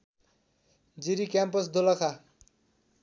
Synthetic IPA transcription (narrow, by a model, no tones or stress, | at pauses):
d͡ziɾikampʌsd̪olakʰa